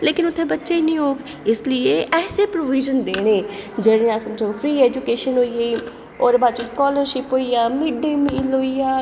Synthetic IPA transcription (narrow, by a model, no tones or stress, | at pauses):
leːkɪnʊt̪ʰːẽːbətːʃeiːnĩːɦoːɡ | ɪslieːʔɛːseːpɾoːʋiːʒənd̪eːɽ̃eːd͡ʒeːɽẽːãːsəmd͡ʒopʰɾiːɛːd͡ʒukeːʃənɦoːieː | oːɾeːbaːd̪d͡ʒĩːskɔːləɾʃɪpɦoːiaːmiɖimiloːiaː